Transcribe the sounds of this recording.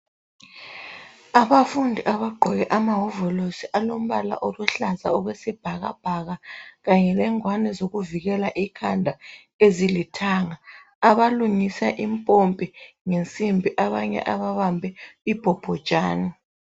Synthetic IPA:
aβafundʱiʔaβaɡ͡ǃʱɔɣɛʔamaɦɔvɔlosiʔalom̩βala̰ʔoluɬaza̰ɔɣwesib̥ʱaɣa̰b̥ʱaɣaɣaɲɛlɛŋwanɛzoɣuviɣɛlaʔikʰandʱa | ezilitʰaŋa | aβaluŋisaʔimpʼompʼiŋent͡sʼimbʱiʔaβaɲɛ̰ʔaβaβambʱɛib̥ʱɔb̥ʱɔd̥ʒ̥ʼʱaːni

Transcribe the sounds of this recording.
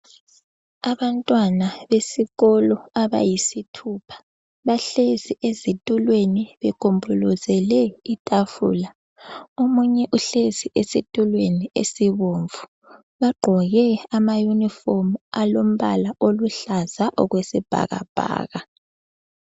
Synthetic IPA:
aβantʼwanaβesiɣɔlɔaβa̰jisitʰupʰḁ | βaɬeziʔezitʼulweniβɛkʰombʱulɔzɛlɛitʼafṵla | omuɲɛʔuɬeziʔesitʼulweniḛsiβoɱvu | βaɡ͡ǃʱɔɣɛamajunifomalom̩βa̰laʔoluɬazaʔɔɣwesib̥ʱa̰ɣa̰b̥ʱa̰ːɣa

